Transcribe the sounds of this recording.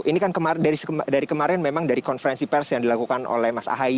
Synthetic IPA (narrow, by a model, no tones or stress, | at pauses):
ʔinikankəmaɾdaɾisədaɾikəmaɾɛnmemaŋdaɾikɔnfəɾɛnsipɛrsjaŋdilakukanʔo̰lɛhmasa̰ɦai